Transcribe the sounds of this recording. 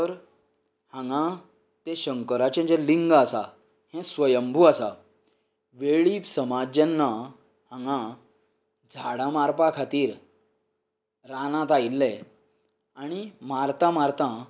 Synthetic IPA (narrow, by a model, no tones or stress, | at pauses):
t̪əɾ | hãŋɡã | t̪eɕəŋkəɾat͡ɕẽt͡ɕɛ̃liŋɡasa̰ | hɛ̃sʋəjəmbʱuasa | ʋeɭiːpsəmad͡ʑanːa | hãŋɡã | d͡zʱaɽãmaɾpakʰat̪iːɾ | ɾanãt̪ajlːɛ | aɽ̃imaɾt̪ãmaɾt̪ã